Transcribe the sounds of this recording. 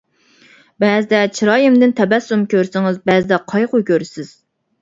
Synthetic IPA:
bɛzd̪ɛt͡ʃʰiɾɑːjɪmd̪ɪnt̪ʰɛbɛsːumkʲøɾsɪŋɪzbɛzd̪ɛqʰɑjqʊkʲʰøɾsɪz̥

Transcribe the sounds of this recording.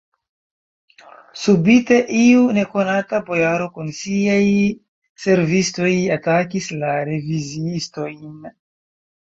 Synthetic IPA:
subite̞ʔiune̞ko̞natabo̞jaɾo̞kunsiaj | se̞ɾvisto̞jatakislaɾe̞viziisto̞jn

